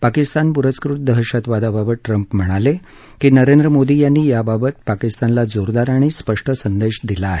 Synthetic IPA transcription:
pakist̪anpuɾət͡skɾuʈ̪̚d̪əɦəɕat̪ʋad̪ababəʈɾəmpm̤əɽ̃ale | kiːnəɾend̪ɾəmod̪iːjanːiːjababət̪̚pakist̪anlad͡zoɾd̪aɾaɽ̃iːspəʂʈʰəsənd̪eɕd̪ilaːɦe

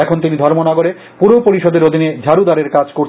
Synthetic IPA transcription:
ɛkʰont̪inid̪ʱɔɾmonaɡoɾe | puɾopoɾiʃod̪eɾod̪ʱined͡ʑʱaɾud̪aɾeɾkad͡ʑkoɾt͡ɕʰ

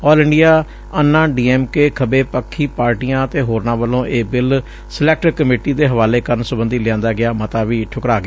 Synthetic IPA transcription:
ɔːlɪɳɖijaː | ənːãːɖiːɛːmkeːkʰəbeːpəkʰːiːpaːɾʈijãːt̪eːɦoːɾnãːʋəlõːʔeːbɪl | sɪlɛːk̚ʈəkːəmeːʈiːd̪eːɦəʋaːleːkəɾənsʊbənd̪iːlɪãːnd̪aːɡɪaːmət̪aːʋiːʈʰʊkɾaːɡɪː

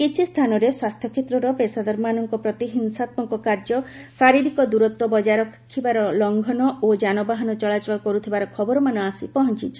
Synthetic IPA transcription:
kit͡ʃʰist̪ʰanɔɾeswast̪ʰjɔkʰet̪ɾɔɾɔpesad̪ɔɾmanɔŋkɔpɾɔt̪iɦinsat̪̚mɔŋkɔkaɾd͡ʒɔsaɾiɾikɔd̪uɾɔt̪ːwɔbɔd͡ʒaɾɔkʰḁkʰːibaɾɔlɔŋɡʱɔnɔod͡ʒanɔbaɦɔnɔt͡ʃɔɭat͡ʃɔɭɔkɔɾut̪ʰibaɾɔkʰɔbɔɾɔmanɔasipɔɦɔnt͡ʃit͡ʃʰi̥

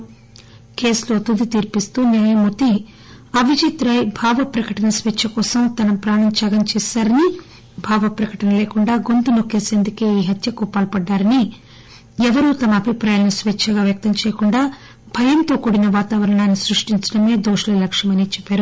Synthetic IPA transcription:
keːslo̞ːt̪ud̪it̪iːɾpist̪uːnjaːjɐmut̪i | ɐʋid͡ʒit̪ɾɐjbʱaːʋɐpɾɐkɐʈɐnɐsʋet͡ʃʰːɐkɔːsɐmt̪ɐnɐmpɾaːɳɐmt͡ʃɐːɡɐmt͡ʃɛːsaːɾɐni | bʱaːʋɐpɾɐkɐʈɐnɐleːkuɳɖaːɡo̞nd̪unokːeːseːnd̪ukeːiːɦɐt̪jɐkupaːlɐpɐɖːaːɾɐni | ɛʋɐɾuːt̪ɐmɐːbʱipɾaːjaːnisʋet͡ʃʰːɐɡaːʋjɐk̚t̪ɐmt͡ʃɛːjɐkuɳɖaː | b̥ʱɐjɐnt̪o̞ːkuːɽinɐʋaːt̪aːʋɐɾɐɳaːnːisɾuʂʈiɲt͡ʃɐ̥ɽɐme̞ːd̪oːʂɐlɐlɐkʂɐmɐnit͡ʃɛpːaːɾu

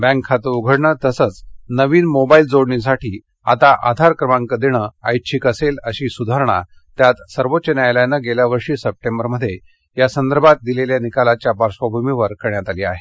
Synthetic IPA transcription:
bæ̃ŋkʰːat̪əuɡʱəɽɳət̪əsət͡snəʋiːnmobaild͡zoɽɳis̬aʈʰiː | a̰t̪aʔa̰d̪ʱaɾkɾəmãŋkəd̪eɽ̃əa̰jt͡ɕʰikəseləɕiːsud̪ʱaɾɳa̰ | t̪jat̪səɾʋotːt͡ɕənajljanəɡeljaʋəɾʂiːsəp̚ʈembəɾməd̪ʱːje | jasənd̪əɾbʱat̪̚d̪ileljanikalat͡ɕjabaɾʂʋəbʱumiʋəɾkəɾɳjat̪alia̰ɦe

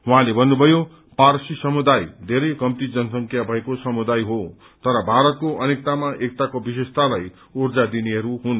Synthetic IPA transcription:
ɦwɦãlebʱʌnːubʱʌjo | parsisʌmud̪ajd̪ʱeɾʌjkʌmt̪id͡zʌnʌsʌŋkʰjabʱʌekosʌmud̪ajɦo | t̪ʌɾʌbʱaɾʌt̪̚koʔʌnek̚t̪amaʔek̚t̪akobisest̪alaj | urd͡zad̪iniɦʌɾuɦun

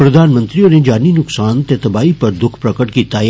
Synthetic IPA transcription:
pɾɐd̪ʱaːnmə̃nt̪ɾiõned͡ʒaːninʊksaːnt̪et̪ɐbaːipɐɾd̪ʊkʰpɾɐkəʈkit̪aː

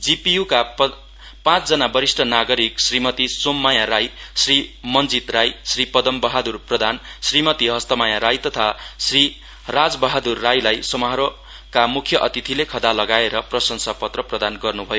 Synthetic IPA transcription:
d͡zipijuka | pãt͡sd͡zʌnabʌɾisʈʰʌnaɡʌɾiksrimʌt̪isomːajaɾajsrimʌnd͡zit̪rajsripʌd̪ʌmbʌɦad̪urprʌd̪ʱansrimʌt̪iɦʌst̪ʌmajaɾajt̪ʌt̪ʰasri | rad͡zbʌɦad̪urːajlajsʌmʌɦʌɾo | kamukʰjʌʔʌt̪it̪ʰilekʰʌd̪alʌɡaeɾʌprʌsʌŋsapʌt̪rʌprʌd̪anɡʌrnubʱʌjo

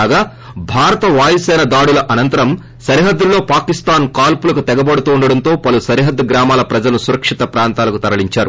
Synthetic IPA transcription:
ɡaː | bʱaːɾɐt̪ɐʋaːjisɛːnɐd̪aːɽulɐʔɐnɐnt̪ɐɾɐm | sɐɾiɦɐd̪ːulːo̞ːpaːkist̪aːnkaːlpulɐkut̪ɛɡɐbɐɽut̪uːɳɖɐɽɐnt̪o̞ːpɐlusɐɾiɦɐd̪ːɡɾaːmaːlɐpɾɐd͡ʒɐlusuɾɐkʂit̪ɐpɾaːnt̪aːlɐkut̪ɐɾɐliɲt͡ʃaːɾu

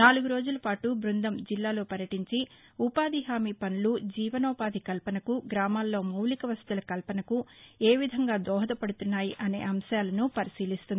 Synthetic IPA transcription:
naːluɡuɾo̞ːd͡ʒulɐpaːʈubɾund̪ɐmd͡ʒilːaːlo̞ːpɐɾjɐʈiɲt͡ʃiupaːd̪ʱiɦaːmiːpɐnulud͡ʒiːʋɐnɔːpaːd̪ʱikɐlpɐnɐkuɡɾaːmaːlːo̞ːmɐwlikɐʋɐst̪ulɐkɐlpɐnɐkue̞ːʋid̪ʱɐŋɡaːd̪ɔːɦɐd̪ɐpɐɽut̪unːaːjiʔɐnḛːʔɐmʃaːlɐnupɐɾisiːlist̪und̪i

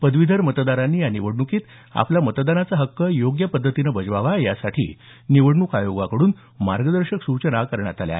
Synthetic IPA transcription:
pəd̪ʋid̪ʱəɾmət̪d̪aɾanːiːjaniʋəɽɳukiːt̪ | a̰pljamət̪d̪anat͡səɦəkːəjoɡjəpəd̪ʱːət̪inəbəd͡zʋaʋajasaʈʰḭː | niʋəɽɳukajoɡakəɽuːn | maɾɡəd̪əɾɕəksut͡ɕənakəɾɳjat̪alja̰ɦ

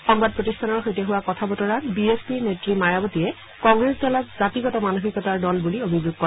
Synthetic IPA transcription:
xɔŋbad̚pɹotistʰanɔɹxojtɛɦuwakɔtʰabɔtɔɹanbiespinetɹimajabɔtiɛ | kɔŋɡɹesdɔlatzatiɡɔtɔmanoxikɔtaɹdɔlbuliobʱizuɡ̚kɔ

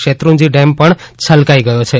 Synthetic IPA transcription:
ʃet̪ɾũd͡ʒiɖempəɳt͡ʃʰəlkaiɡəjot͡ʃʰe

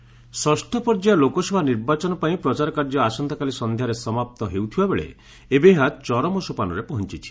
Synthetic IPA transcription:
sɔsʈʰɔpɔɾd͡ʒalokɔsɔbʱaniɾbat͡ʃɔnɔpaĩpɾɔt͡ʃaɾɔkaɾd͡ʒɔasɔnd̪ɔkalisɔnd̪ʱjaɾesɔmap̚t̪ɔɦewt̪ʰibabeɭḛ | ebeɦat͡ʃɔɾɔmɔsupanɔɾepɔɦɔnt͡ʃit͡ʃʰi̥

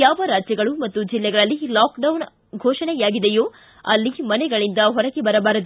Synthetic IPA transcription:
jaːʋɐɾaːd͡ʒjɐɡɐɭumɐt̪ːud͡ʒilːɛɡɐɭɐlːilaːkɖɐwn | ɡʱoːʂɐnɛjaːɡid̪ejoː | ɐlːimɐnɛɡɐɭind̪ɐɦɔɾɐɡebɐɾɐbaːɾɐd̪u

